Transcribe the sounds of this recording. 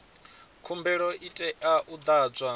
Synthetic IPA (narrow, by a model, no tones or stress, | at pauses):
kʰumbɛɺɔʔitʼɛʔaʔud̪ad͡zʷwa